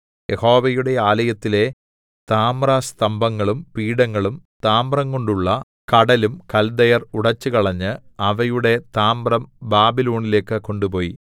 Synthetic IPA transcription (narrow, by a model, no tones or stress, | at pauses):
jeho̞ːʋɐjuɽe̞aːlɐjɐt̪ːile̞ | t̪aːmrast̪ɐmbɐŋːɐɭumpiːɽɐŋːɐɭumt̪aːmbrɐŋko̞ɳɖuɭːɐ | kɐɽɐlumkɐld̪ɐjɐruɽɐt͡ɕːɨkɐɭɐɲːɨɐʋɐjuɽe̞t̪aːmrɐmbaːbilo̞ːɳile̞ːkːɨkːo̞ɳɖupo̞ːjḭ